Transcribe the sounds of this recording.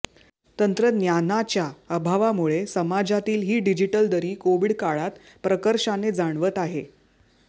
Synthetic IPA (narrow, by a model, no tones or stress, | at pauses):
t̪ənt̪ɾənjanat͡ɕjaəbʱaʋamuɭesəmad͡ʑat̪iːlɦiːɖid͡ʑiʈəld̪əɾiːkoʋiɽkaɭat̪ | pɾəkəɾʂaned͡zaɳ̃ʋət̪aɦe